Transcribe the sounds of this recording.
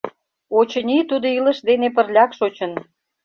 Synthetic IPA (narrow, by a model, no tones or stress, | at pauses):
ot͡ɕənʲit̪ud̪oiləʃd̪enep̬ərlʲɑkʃot͡ɕən